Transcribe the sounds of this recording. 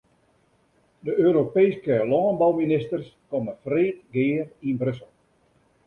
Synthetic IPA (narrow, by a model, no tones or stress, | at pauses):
dəʔøːɾopejskəlɔːənbɔwminɪstərskɔməfriːtɡɪːərinbrøsəlˠ